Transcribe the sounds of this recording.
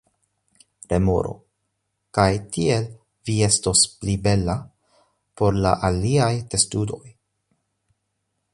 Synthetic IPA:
ɾe̞mo̰ɾo̞̰ | kajtie̞l | vie̞sto̞splibe̞la | po̞ɾla̰ʔaliajte̞studo̞̰j

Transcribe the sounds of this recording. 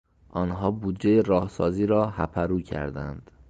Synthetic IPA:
ʔɒːnɦɒːbuːd̪d͡ʒejeɾɒːhsɒːziːɾɒːhæpʰæɾuːcʰæ̰ɾd̪æ̰nd̪̥

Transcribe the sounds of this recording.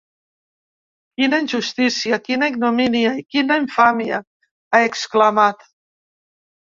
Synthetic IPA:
kinəinʲʒust̪isiəkinaiɡnuminiaikinəiɱfamiə̰ | aeksklamat̪

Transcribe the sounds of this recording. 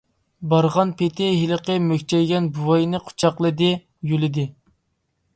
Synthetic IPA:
bɑɾʁɑnpʰet̪ʰɪɦilˠəqəmøkʲt͡ʃʰɛjɡʲɛnbuwɑjnɨqʰʊ̥t͡ʃʰɑqlˠɨd̪ɪ | jylɪd̪ɪ

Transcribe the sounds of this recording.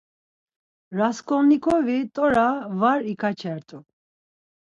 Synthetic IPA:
ɾaskʰʼɔnikʰɔvit̪ʼɔɾavaɾikʰat͡ʃʰɛɾt̪ʼu

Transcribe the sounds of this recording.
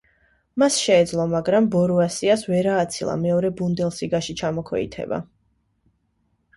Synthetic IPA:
masʃɛːd̪zlˠɔmaɡɾambɔɾuasiasvɛɾaːt̪sʰilˠa̰mɛɔɾɛbund̪ɛlˠsiɡaʃit͡ʃʰamɔkʰwɛ̰ḭt̪ʰɛ̰ba̰

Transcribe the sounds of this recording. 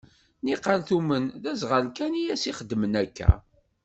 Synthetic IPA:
niqəlθumənðæzʁəlkænijæsiχəd̪ːmənækːæ̰

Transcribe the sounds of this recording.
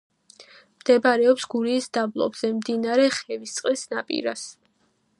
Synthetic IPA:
md̪̥ɛbaɾɛɔpsɡuɾiːsd̪ablˠɔ̰bz̥ɛmd̪inaɾɛχɛvist̪sʼqʼlisnapʼḭɾas

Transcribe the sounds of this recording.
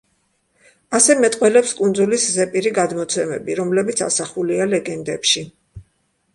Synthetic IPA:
asɛmɛt̪ʼqʼwɛlɛpskʼund̪zuliszɛpʼiɾiɡad̪mɔt̪sʰɛmɛ̰biɾɔmlɛbit̪sʰa̰saχulialɛɡɛnd̪ɛpʃi

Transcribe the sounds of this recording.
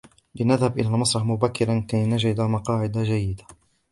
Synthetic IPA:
lɪnaðhabʔɪlalmɑsˤɾˤɑħmʊbakːɪɾankajnad͡ʒɪd̪amɑqɑːʕɪd̪ad͡ʒajːɪd̪a

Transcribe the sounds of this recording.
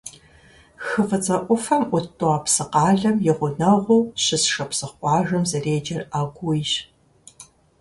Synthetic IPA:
xɨfɐt͡sʼɐʔʷʊfɐmʔʷʊtʼːoɐːpsɨqɑːɮɐmjɪʁʷʊnɐʁʷʊwɕɪsʂɐpsɨχʷɑːʒɐmzɐreːd͡ʒɐraːɡʷujɕ

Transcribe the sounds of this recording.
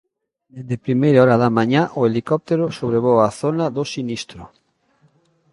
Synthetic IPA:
d̪eðepɾimejɾaɔɾaðamãɲaʔoelikɔp̚t̪eɾosoβɾeβ̞owaθonaðosinist̪ɾo

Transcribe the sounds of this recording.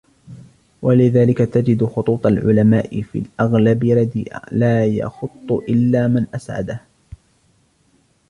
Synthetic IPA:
walɪðaːlɪkat̪ad͡ʒɪd̪ʊxʊt̪ˤuːt̪ˤɑlʕʊ̰lamaːʔɪfḭːlʔaɣlabɪɾˤɑd̪iːʔa̰laːjɑ̰xʊt̪ˤːʊʔɪlːaːmanʔasʕa̰d̪ah

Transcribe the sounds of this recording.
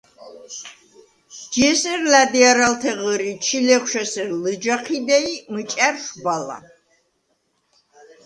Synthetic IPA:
d͡ʒiɛsəɾlæd̪iaɾalt̪ʰɛʁəɾit͡ʃʰilɛχʷʃɛsəɾlɨd͡ʒaqʰid̪ɛimət͡ʃʼæɾʃbala̰

